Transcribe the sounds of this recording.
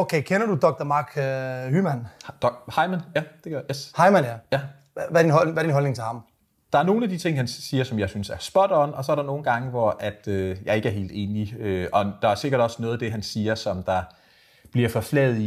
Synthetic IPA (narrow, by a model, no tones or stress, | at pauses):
oʊkʰeɪkʰenɐd̥ud̥ɒ̽ɡ̥d̥ɐmɑ̈ːɡ̥hymænd̥hɑ̈ɪmænjæd̥e̝ɡ̥eshɑ̈ɪmænjæjæ | ʋædinɦɔʋæɐd̥inɦɒlne̝ŋt͡sʰe̝lhɑ̈m | d̥ɑ̈æɐno̝ːn̩æd̥it͡sʰe̝ŋ̰hænsiːɐsɒ̽mjɑ̈ɪsynsæɐsb̥ɒ̽d̥ɒnɒ̽sɒ̽æɐɾ̥ɑ̈no̝ːn̩ɡ̥ɑ̈ŋəʋɒʔæd̥øjɑ̈ɪe̝ɡ̥æɐɦe̝̰ːld̥e̝̰ːniøɒ̽d̥ɑ̈æɐse̝ɡ̥ɐɾ̥ɒ̽sənɔ̽ːð̩ˠd̥e̝ɦænsiːɐsɒ̽md̥ɑ̈ | b̥liɐfɒ̽flɛːð̩ˠi